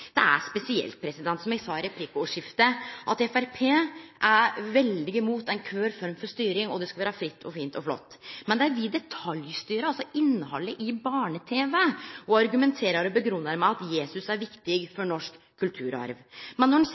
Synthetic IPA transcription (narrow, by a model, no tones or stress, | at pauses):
d̪̥ɛ̰æ̰spɛsɪɛ̰lt̪̚pʰɾɛsɪd̪ɛnt̪sɔmjɛɡsɑɾɛpʰliːkəuːʂɪft̪əʔɑt̪ɛfæɾpʰeːʔæɾʋɛld̪ɪɡəmuːt̪ɛɪnkʰʋøːɾfɔɾmfɔʂt̪yːɾɪŋɔd̪ɛskɑʋeːɾəfɾɪt̪ʰːɔfiːnt̪ɔflɔ̰t̪ːmɛnd̪ɛæɾʋɪd̪ɛt̪ʰɑljst̪yːɾəɑlsɔɪnːəhɔlːəʔɪbɑːɳət̪ʰeːʋəɔɑɾɡʉmɛnt̪ʰeːɾəɾɔbəɡɾʉnːəɾmæɪɑt̪jeːsʉsæɾʋɪkt̪ɪɡfɔɳɔʂkʰːʉlt̪ʰʉːɾɑ̰ɾʋmɛnːɔɖn̩